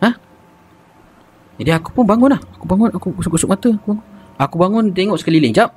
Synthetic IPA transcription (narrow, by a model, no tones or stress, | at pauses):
həh | d͡ʒadiaku̥pʊnbaŋʊnlahakubaŋʊnakuksukusʊk̚mat̪uakubaŋʊn | akubaŋʊnt̪eŋɔʔsəkalilɪŋd͡ʒap̚